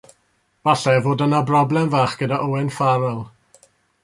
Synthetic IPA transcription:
b̥aɬɛvoːdənabrɔblˠɛmvaːχɡ̥ədaʔowɛnfaɾɔlˠ

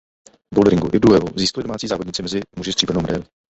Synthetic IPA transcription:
boldɾɪŋɡuʔɪduɛvṵziːskalɪdomaːt͡siːzaːvodɲɪt͡sɪmɛzɪmuʒɪst̪r̥iːbɛɾnowmɛdɛ̰lɪ

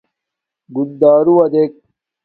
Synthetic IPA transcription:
ɡund̪aːɾuwɐd̪ek̚

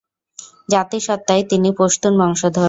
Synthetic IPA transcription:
d͡ʑat̪iʃɔt̪ːaet̪inipoʃt̪unbʱɔŋʃod̪ʱɔ

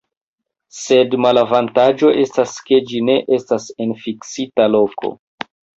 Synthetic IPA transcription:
se̞dmalavantad͡ʒo̞ʔe̞staske̞d͡ʒine̞ʔe̞stase̞nfiksitalo̞ko̞̰

